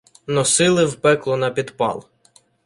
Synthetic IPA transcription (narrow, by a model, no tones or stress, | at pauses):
nɔsɪlˠɪwpɛklˠɔnɐpʲid̪pɑ̰lˠ